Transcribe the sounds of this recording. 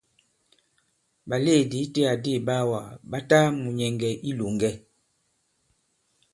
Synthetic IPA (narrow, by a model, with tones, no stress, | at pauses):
ba˨le˦˨di˨˦te˦a˨de˦˨ba˦wa˨ba˦ta˦mu˨ɲɛ˨ŋɡɛ˨ʔi˦lo˨ŋɡɛ˦